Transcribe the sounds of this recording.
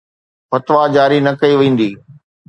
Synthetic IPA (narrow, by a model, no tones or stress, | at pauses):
fɐt̪ʋad͡ʑaːɾinɐkɐiʋẽːn̆d̪iː